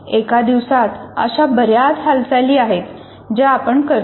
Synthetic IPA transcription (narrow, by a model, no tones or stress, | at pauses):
ekad̪iʋsat̪ə̰ɕabəɾjat̪ɦalsajliːaɦet̪ | d͡ʑaːpəɳkə